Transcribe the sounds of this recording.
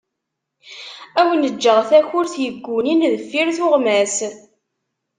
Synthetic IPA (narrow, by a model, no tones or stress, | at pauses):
æwənəd͡ʒːəʁθæçʊɾθjəɡʷːuninðəfːiɾθʊʁmæs